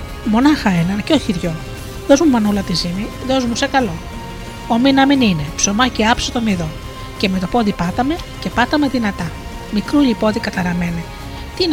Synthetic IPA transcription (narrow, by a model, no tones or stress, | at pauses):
mo̞nɐxɐenɐnceo̞çiɾʝo̞ | ðo̞zmumɐnulɐt̪izimi | ðo̞zmusekɐlo̞ | ominɐminine̞pso̞mɐciɐpsot̪o̞miðo̞ | ce̞me̞t̪o̞po̞ðipɐt̪ɐme̞ce̞pɐt̪ɐme̞ðinɐt̪ɐ | mikɾuʎipo̞ðikɐt̪ɐɾɐmene | t̪in